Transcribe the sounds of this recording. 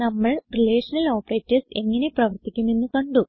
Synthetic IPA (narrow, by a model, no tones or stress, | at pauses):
nɐmːɐɭrileːʂɐnɐlo̞ːpɐreːtːɐrse̞̰ŋːɐne̞prɐʋɐrt̪ikʲːumenːukɐɳɖu